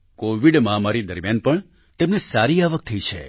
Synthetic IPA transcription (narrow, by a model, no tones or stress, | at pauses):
koʋiɖmãmaɾid̪əɾmjanpəɳ | t̪emnesaɾiaʋək̚t̪ʰəit͡ʃʰḛ